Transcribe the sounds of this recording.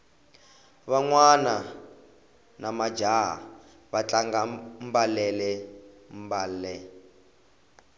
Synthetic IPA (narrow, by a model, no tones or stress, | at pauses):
βaŋwana | namḁd͡ʒaɦa̰ | βat͡ɬaŋɡam̩balɛlɛ | mbaːlɛ